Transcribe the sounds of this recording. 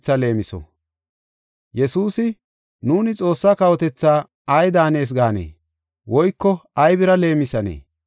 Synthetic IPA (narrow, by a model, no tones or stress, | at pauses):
t͡sːɐle̞ːmɪsɔ̰ | jɛsuːsɪ | nuːnɪt͡sʼo̞ːsːaːkɐwɔt̪ɛt͡sːaː | ɐjd̪aːne̞ːs̬ɡaːnḛː | wɔjkːɔɐjbɪɾɐle̞ːmɪsɐnḛː